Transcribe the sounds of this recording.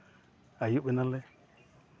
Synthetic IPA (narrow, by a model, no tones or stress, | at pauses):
ajuɓinãle